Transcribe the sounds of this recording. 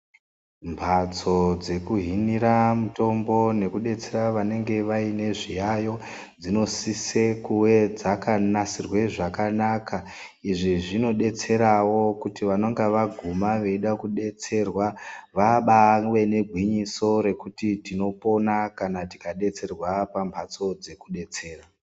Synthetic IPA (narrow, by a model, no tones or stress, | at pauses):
mbʱat͡so̞d͡ze̞kuɦiniɾamuto̞mbo̞ne̞kuɗe̞t͡se̞ɾaʋane̞ŋɡe̞ʋaine̞ʐijajo̞ | d͡zino̞sisekuwe̞d͡zakanasirwe̞ʐakanaka | iʐiʐino̞ɗe̞t͡se̞ɾawo̞kutiʋanoŋɡeʋaɡʱumaʋe̞iɗakuɗe̞t͡se̞rwaʋaɓaŋʋe̞ne̞ɡʱwiɲiso̞ɾe̞kutitino̞po̞nakanati̥kaɗe̞t͡se̞rwapambʱat͡so̞d͡ze̞kuɗe̞t͡se̞ːra